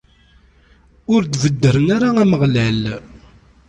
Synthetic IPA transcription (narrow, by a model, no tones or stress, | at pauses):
ʊɾd̪vəd̪ːəɾənaɾaæməʁlæl